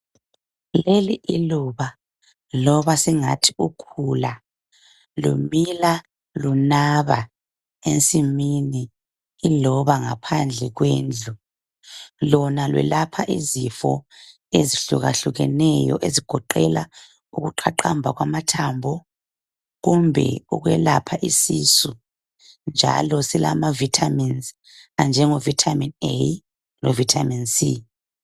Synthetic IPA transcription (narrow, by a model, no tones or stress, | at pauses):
leliʔiluβa | lɔβasiŋa̰tʰiukʰula | lṵmila | lunaβa | ent͡sʼiminiː | lɔβaŋapʰand͡ɮʱɛɣweːnd͡ɮʱu | lɔnalwɛ̰lapʰaʔizifɔ | eziɬuɣaɬuɣɛnɛjɔ̰ʔeziɡ̥ʱɔǃɛla | uɣuǃʰaǃambʱaɣwamatʰambʱɔ | ɣumbʱɛ̰uɣwɛlapʰaʔisisu | nd͡ʒʱa̰lɔsila̰mavitʰaminz | and͡ʒʱɛŋɔvitʰaminej | lɔvitʰaminsi